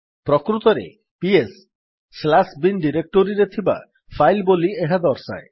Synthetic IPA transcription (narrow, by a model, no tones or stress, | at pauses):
pɾɔkɾut̪ɔɾḛ | piesː | lasbinɖiɾek̚ʈoɾiɾet̪ʰiba̰ | pʰajlbolieɦad̪ɔɾsa̰e